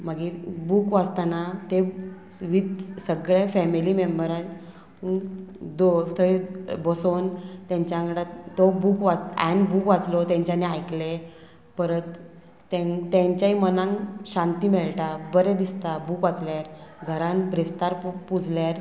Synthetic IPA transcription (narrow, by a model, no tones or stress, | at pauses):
maɡiːbukʋad͡zt̪anat̪e | ʋit̪səɡɭefɛmilimembəɾa | d̪ot̪əibɔsont̪ãɲt͡ɕjaŋkɽat̪obukʋat͡sɛ̰nbukʋat͡slɔt̪jãɲt͡ɕaneajkle | pəɾət̪ː | ẽŋt̪ẽɲt͡ɕaɦimənãŋɕãnt̪iːmeɭʈabəɾed̪ist̪abukʋat͡sljaɾɡʱəɾãnbɾest̪aɾpud͡zʱljaɾ